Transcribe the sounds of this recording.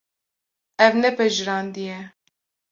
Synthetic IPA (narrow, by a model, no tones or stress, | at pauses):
ɛvnɛpɛʒɾɑːnd̪ijɛ